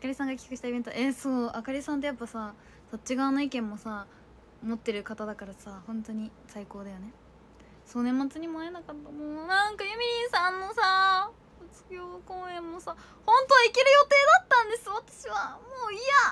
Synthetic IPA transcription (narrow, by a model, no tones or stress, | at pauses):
akaɾʲisãŋɡakʲi̥kɯ̟ɕi̥t̪aibẽ̞nt̪o̰esoːakaɾʲisãnt̪̬e̞japːasa | sot͡ɕiɡaːnoikẽ̞mːo̞sa | mo̞t̪ːe̞ɾɯ̟kat̪ad̪akaɾasahõ̞nt̪o̞ɲ̟i | saiko̞ːd̪ajo̞ne̞ | so̞ːnẽ̞mːat͡sɨɲ̟imoaenakat̪ːamonãŋkajɯ̟mʲiɾʲĩɰ̃sãnːo̞sa | ɯt͡sɨ̥ɡʲo̞ːkõːẽ̞mːo̞sa | hõ̞nt̪o̞aikeɾɯ̟jo̞t̪e̞ːd̪at̪ːãnd̪e̞sɨβat̪ḁɕiβamoːia